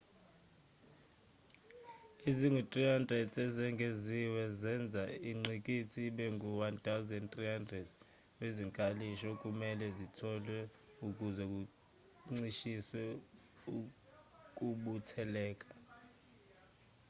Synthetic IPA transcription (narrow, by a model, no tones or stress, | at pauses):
iziŋwɛtʼriɦandrɛdɛzɛŋɡʱeziwɛzɛnd͡zʱaiŋ͡ǀik̬ʼitʰiɓɛŋɡʱuwantʰʼawzɛndtʼriɦandrɛd | weziŋkʼaliʃɔk̬ʼumɛlɛzitʰɔlwɛ | ukʼuzɛk̬ʼu | ŋ͡ǀiʃiswɛ | u | k̬ʼuɓutʰɛlɛːkʼḁ